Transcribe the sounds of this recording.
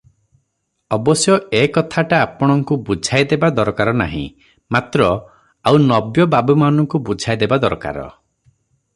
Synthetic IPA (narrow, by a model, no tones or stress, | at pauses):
ɔbɔsjɔekɔt̪ʰaʈaːpɔɽ̃ɔŋkubud͡ʒʱajd̪ebad̪ɔɾkaɾɔna̰ɦḭ̃ | mat̪ɾɔ | awnɔbjɔbabumanɔŋkubud͡ʒʱajd̪ebad̪ɔɾka̰ɾɔ̰